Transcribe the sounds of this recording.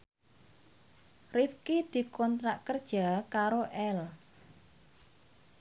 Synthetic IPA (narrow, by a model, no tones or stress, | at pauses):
rifkid̪̥i̤kɔnt̪ɾaʔkərd̥ʒ̥a̤kaɾoʔɛl